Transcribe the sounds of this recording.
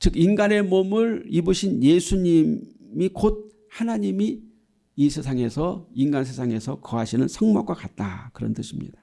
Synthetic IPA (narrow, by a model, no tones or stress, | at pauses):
t͡ɕɯkinɡane̞momɯɾibuɕʰinje̞sʰuɲimmikod̚ | hanaɲimi | isʰe̞sʰaŋe̞sʰʌinɡansʰe̞sʰaŋe̞sʰʌkʌɦaɕʰinɯnsʰʌŋmak̚k͈wakat̚t͈a̰kɯɾʌ̰ntɯɕʰimɲḭd̥a